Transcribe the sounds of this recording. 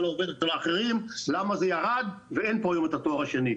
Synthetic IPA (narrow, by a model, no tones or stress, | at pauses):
looved̪ett͡salaːχeʁimlamazejaʁad̪vee̞npoajomet̪at̪o̞aʁaʃeni